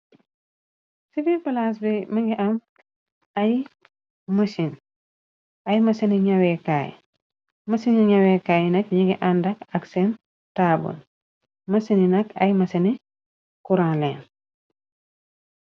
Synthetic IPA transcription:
sifipɐlas̬bimɐŋɡiʔɐm | ɐj | mɐsin | ɐjmɐsiniɲɐwɛkaːj̰ | mɐsiniɲɐwɛkaːjnɐk̚ɲiɡiʔandɐkɐksɛn | taːbṵn | mɐsininɐkɐ̰jmɐsɐni | kuɾaːnlɛːn

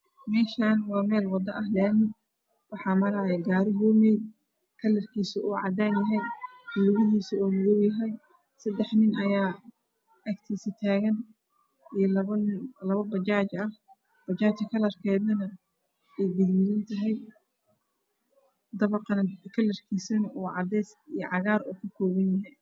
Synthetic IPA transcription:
mɛːʃaːnwɑːmɛːlwɑd̪ɐʔɐhlɛːnɪn | wɑħɑːmɐɾɐʕɛɡaːɾɪɦɔːmɛj | kʰɐlːɐrkʰiːsɐuːʕɑ̰d̪aːnjɐɦɛj | ʊlʊɣɪɦiːsɐɔːmʊðɔwjɐɦɛj | sɐd̪ɛħnɪnɐjaː | ɐkt̪ʰiːsɐt̪ʰaːɣɐn | ijlɐlɐβɐbɐt͡ʃaːt͡ʃɐh | b̥ɐt͡ʃaːt͡ʃɐkʰɐlɐrkʰɛːðɐnɐ | ɛjd̪ɪɡmɪlɐnt̪ʰɐɦɛj | d̪ɐβɐqnɐkʰɐlɐrkʰiːsɐnɐʔuːʕɑ̰d̪ɛjsijɐʕɑɣaːɾuːkʰʊkʰɔːβɐnjɐɦɛj

